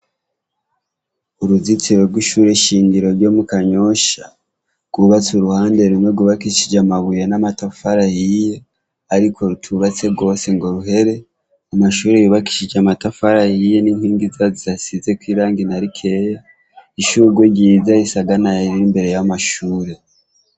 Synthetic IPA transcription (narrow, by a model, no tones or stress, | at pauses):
uɾuzit͡siɾe̞ɾɡwiʃuːɾe̞ʃiːŋɡiɾo̞ɾɟo̞mukaɲo̞ʃa | ɡ̥uβat͡suɾuhaːnde̞ɾumweɡuβakiʃid͡ʒamaβujenamatafaɾahije | aɾikʰo̞ɾutʰuβat͡se̞ɡo̞ːse̞ŋɡo̞ɾuɦe̞ɾe̞ | amaʃuːɾejuːβaki̥ʃid͡ʒamatafaɾahije̞ninhiːŋɡizaziasize̞kwiːɾaːŋɡinaɾikʰe̞ja | iʃuɾɡweɟiːzaisaɡanajeɾiɾimbe̞ɾe̞jamaʃuːɾe̞